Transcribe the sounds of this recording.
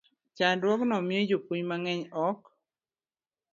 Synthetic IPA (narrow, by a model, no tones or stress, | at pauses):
t͡ʃadwɔknɔmɪed͡ʒopwuɲmaŋɛɲɔk